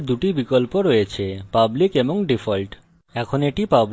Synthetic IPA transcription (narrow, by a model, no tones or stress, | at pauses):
ɾd̪uʈibikolpoɾojet͡ɕʰepablikeboŋɖifʰolʈ | ɛkʰoneʈipab